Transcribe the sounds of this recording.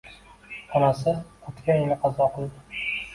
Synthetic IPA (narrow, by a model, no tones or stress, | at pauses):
ɒnasɪot̪kʲanjelɪqʰɑzɒqʰɨlˠd̪ɪ